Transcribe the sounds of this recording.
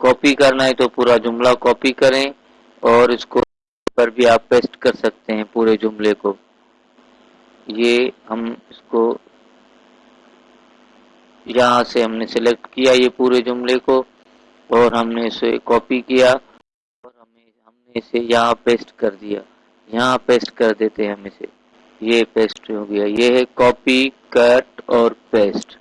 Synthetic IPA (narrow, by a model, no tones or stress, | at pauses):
kɔːpikɐɾnaɛt̪opuːɾad͡ʒʊmlakɔːpikɐɾẽ | ɔːɾʊsko | pɐɾbʱiaːpːeːsʈkɐɾsɐk̚t̪eɦɛ̃puːɾed͡ʒʊmleko | jeɦɐmɪsko | jɐɦãseɦɐmnesɪlek̚ʈkijajepuːɾed͡ʒʊmleko | ɔːɾɦɐmneɪsḛkɔːpikija | ɔːɾɦɐmẽ | ɦɐmneɪsejɐɦãpeːsʈkɐɾd̪ija̰ː | jɐɦãpeːsʈkɐɾd̪eːt̪eɦɛ̃ɦmẽsḛ | jepeːsʈɦoːɡɐjajeɦɛkɔːpikɐɾʈɔːɾpeːsʈ